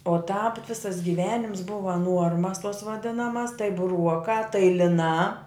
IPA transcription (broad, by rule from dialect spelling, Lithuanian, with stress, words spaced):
oː tɑːp ˈʋʲɪsɐs ɡʲɪˈʋʲæːnʲɪms ˈbʊʋɐ ˈnuɔrmɐs toːs ʋɐˈdʲɪnɐmɐs tɐɪ bʊˈruɔkɑː tɐɪ lʲɪˈnɑː